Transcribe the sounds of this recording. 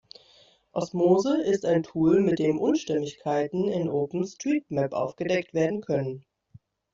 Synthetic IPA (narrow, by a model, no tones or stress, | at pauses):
ʔɔsmoːzəʔɪstaɪntʰuːlmɪt̚d̥eːmʔʊnʃtɛmɪçkʰaɪtn̩ɪnʔoːpn̩stʁ̥iːp̚mɛpʔa̰ʊfɡ̥ədɛktv̥eːɐdn̩kʰœnən